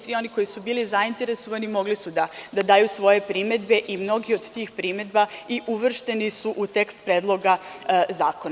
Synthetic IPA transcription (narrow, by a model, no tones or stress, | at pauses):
sʋio̞niko̞jisubiːlizaint̪e̞ɾe̞so̞ʋanimo̞ɡlisud̪ad̪ad̪aːjusʋo̞je̞pɾime̞d̪be̞ʔimno̞ɡio̞d̪t̪iːxpɾime̞d̪baiʔuʋr̩ʃt̪e̞nisuʔut̪e̞kst̪pɾeːd̪lˠo̞ɡazaːkona